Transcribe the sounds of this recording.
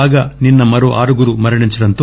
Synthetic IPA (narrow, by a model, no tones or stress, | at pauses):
aːɡɐninːɐmɐɾoʔa̰ːɾuɡuɾumɐɾɐɳiɲt͡ʃiɾɐnt̪u